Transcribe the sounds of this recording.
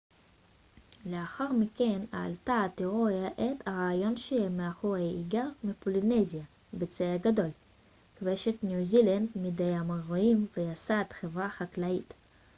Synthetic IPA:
leaχaʁmikena̰ːltat̪iʁoaʔetʰaʁaːjo̞nʃeemeaχuʁeiɡaʁmipolinezija | bet͡seaɡado̞l | kveʃet̪njuzilandmidejamaʁoimvejasat̪χevʁaχaklait

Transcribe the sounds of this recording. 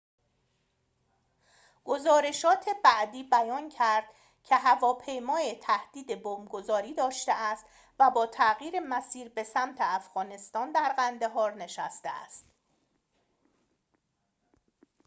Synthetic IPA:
ɡ̥o̞zɒːɾe̞ʃɒːt̪ʰebæʔd̪iːbæjɒːncʰæɾd̪̥ | cʰe̞ɦævɒːpʰe̞jmɒːjet̪ʰæhd̪̥iːd̪e̞bomɡo̞zɒːɾiːd̪ɒːʃt̪eæst̪ | væbɒːt̪ʰæʔɣiːɾemæsiːɾbe̞sæmt̪ʰe̞æfɣ̥ɒːne̞st̪ɒːnd̪æɾɣænd̪e̞ɦɒːɾne̞ʃæst̪ḛæ̰st̪

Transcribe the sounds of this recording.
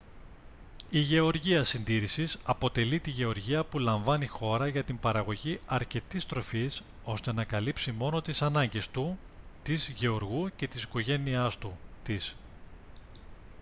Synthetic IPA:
iʝe̞o̞ɾʝiɐsind̪iɾisisɐpo̞t̪e̞lit̪iʝe̞o̞ɾʝiɐpulɐɱvɐnixo̞ɾɐʝɐt̪imbɐɾɐɣo̞ʝiɐɾce̞t̪ist̪ɾo̞fis | o̞st̪e̞nɐkɐlipsimo̞no̞t̪isɐnɐɲɟe̞st̪u | t̪izʝe̞o̞ɾɣuce̞t̪i̥siko̞ʝe̞niɐst̪ut̪is

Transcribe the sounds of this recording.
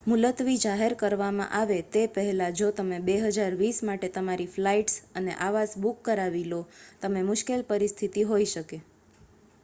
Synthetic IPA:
mulət̪ʋid͡ʒaɦeɾkəɾʋamã̰ʔaʋet̪epəɦɛlad͡ʒot̪əmẽbeɦəd͡ʒaɾʋismaʈet̪əmaɾiflaiʈsənḛʔaʋasbukːəɾaʋilot̪əmemʊʃkelpəɾist̪ʰit̪iɦoiʃəke

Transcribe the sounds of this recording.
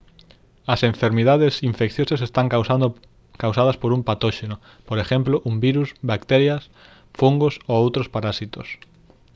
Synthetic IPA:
ɐsẽɱfeɾmiðaðesiɱfekθjosɐsest̪aŋa | kawsað̞ɐspoɾumpat̪oʃeno | poɾeʃemploʔumbiɾusbakt̪eɾjɐs | fuŋɡosoowt̪ɾospaɾasit̪o̰s

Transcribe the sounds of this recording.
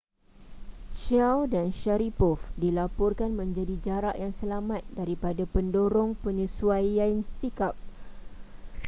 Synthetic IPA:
ʃawdanʃaɾipɔfdilapɔrkanmə̃ɲd͡ʒadid͡ʒaɾaʔjaŋsəlamãt̪̚daɾipadapəndoɾɔŋpəɲũsuajansikap̚

